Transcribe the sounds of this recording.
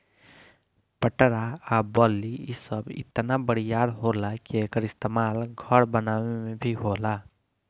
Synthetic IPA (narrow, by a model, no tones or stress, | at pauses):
pəʈɾaabɔːlːiisəbɪ̰t̪nabəɽ̤ijaːɾɦolakiekəɾɪst̪emaːlɡʱəɾbənaːʋemẽbʱiɦola